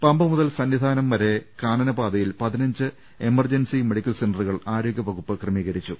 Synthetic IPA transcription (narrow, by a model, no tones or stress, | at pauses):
pɐmbɐmuðɐlsɐnʋid̪ʱaːnɐmːɐɾe̞kaːɳɐnɐbaːd̪ɐjilpɐðinɐɲd͡ʑɨ | emɐrd͡ʑɐnsime̞ɽikʲːɐlsenɖruɣɐɭaːɾoːɡʲjɐʋɐɣupːɨkrɐmiːɣɐɾit͡ɕːu